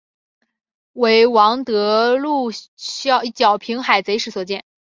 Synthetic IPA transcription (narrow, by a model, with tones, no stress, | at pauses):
we˧˥ɪwɑ˧˥ŋt̪ɤ˧˥lu˥˩ɕɑ˥˧t͡ɕjɑ˨˩ʊpʰi˧˥ŋxa˨˩ɪt͡se˧˥ɪʂɻ̩˥˩swɔ˨˩t͡ɕjɛ˥˩n